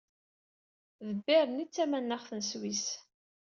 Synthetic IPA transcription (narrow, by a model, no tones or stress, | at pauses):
ðəbːiɾənit͡sːæmænːəʁθənswis